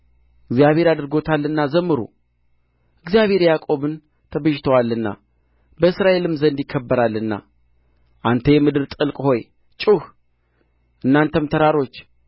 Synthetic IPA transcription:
ʔɨɡzijaβhe̞ɾad̪ɨɾɡo̞t̪ʰalːɨnːazəmːɨɾṵ | ʔɨɡzijaβhe̞ɾjakʼo̞βɨn | t̪ʰəbəʒt̪ʰəwalːɨnːa̰ | bəɨsɾaʔe̞lɨmzənd̪jɪkʰːəbːəɾalːɨnːa̰ | ʔant̪ʰəjɛmɨd̪ɨɾt̪ʼɨlkʼho̞j | t͡ʃʼuh | ʔɨnːant̪ʰəmt̪ʰəɾaɾo̞t͡ʃː

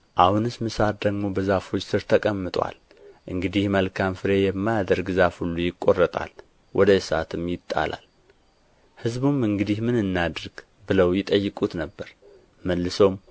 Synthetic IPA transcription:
ʔahunɨsmɨsat̪̚d̪əɡmo̞bəzafo̞t͡ʃːsɨɾt̪ʰəkʼəmːɨt̪ʼwa̰l | ʔɨŋɡɨd̪ihməlkʰamfɨɾe̞jɛmːajad̪əɾɡzafhulːujɪkʼːo̞rːət̪ʼa̰l | wʔɔd̪əsa̰t̪ʰɨmjɪt̪ʼːa̰la̰l | hɨzbumɨŋɡɨd̪ihmɨnɨnːad̪ɨɾɡ̥ | bɨləwjɪt̪ʼəjːɨkʼut̪nəbːəɾ | məlːɨsowm

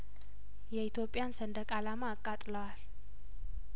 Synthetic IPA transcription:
jɛit̪ʰjo̞pʼːɪjansənd̪əkʼalamaːkʼːat̪ʼləwal

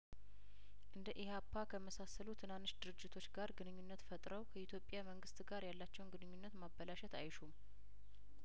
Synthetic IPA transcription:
ʔɨnd̪əʔihapʰːakʰəməsasəlut̪ʰɨnanːɨʃd̪ɨɾɨd͡ʒːɪt̪ʰo̞t͡ʃːɡaɾɡɨnɨɲːunːət̪fət̪ʼɾəwkʰəit̪ʰjo̞pʼjaməŋɡɨst̪ɡaɾjalːat͡ʃːɛwnɡɨnɨɲːunːət̪mabəlaʃɛt̪ajʃum

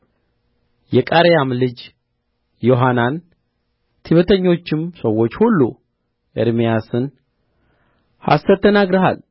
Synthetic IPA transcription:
jɛkʼaɾejamlɨd͡ʒ | jo̞ɦanan | t̪ʰiβət̪ʰəɲːo̞t͡ʃːɪmsəwːo̞t͡ʃːhulːu | ʔḛɾmijasɨn | ha̰sːəɾt̪ʰːənaɡɾəɦa̰l

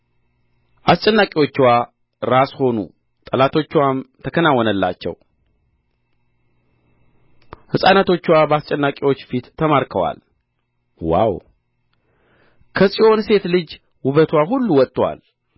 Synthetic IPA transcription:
ʔast͡ʃʼɛnːakʼiwo̞t͡ʃːwa | ɾasho̞nṵ | t̪ʼəlat̪ʰo̞t͡ʃːwamt̪ʰəkʰənawːɔnəlːa̰t͡ʃːɛ̰w | hɨsʼanat̪ʰo̞t͡ʃːwabəast͡ʃʼɛnːakʼiwo̞t͡ʃːfit̪ʰːəmaɾkʰəwa̰l | wa̰w | kʰəsʼiʔo̞nse̞t̪lɨd͡ʒ | wʊβət̪ʰwaɦulːuwɔt̪ʼːwa̰l

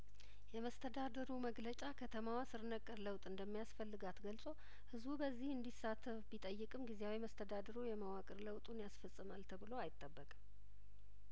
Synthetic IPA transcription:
jɛməst̪ʰəd̪ad̪əɾuməɡlət͡ʃʼakʰət̪ʰəmawasɨɾnəkʼːɨɾləwt̪ʼɨnd̪əmːijasfəlːɨɡat̪ɡəlsʼo̞ | hɨzbubəzːihɨnd̪isat̪ʰːɨβbit̪ʼəjːɨkʼɨmɡizejawiməst̪ʰəd̪ad̪əɾujɛməwakʼɨɾləwt̪ʼunjasfəsʼːɨmalt̪ʰəbɨloajɪt̪ʼːəbːəkʼ

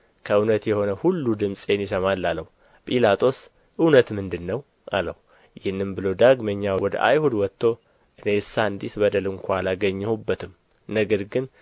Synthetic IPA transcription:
kʰəɨwnət̪jɛho̞nəhulːud̪ɨmsʼenjɪsəmalːalːəhu | pʼilat̪ʰʼo̞s | ʔɨwnət̪mɨnd̪ɨnːəw | ʔa̰ləhu | jɪhnːɨmbɨlod̪aɡməɲːawɔd̪ə̰ʔa̰jhud̪wɔt̪ʰːo̞ | ʔɨne̞ɨsːaɨnd̪it̪bəd̪əlɨŋkʷʰalaɡəɲːɛhubːət̪ʰɨm | nəɡəɾɡɨn

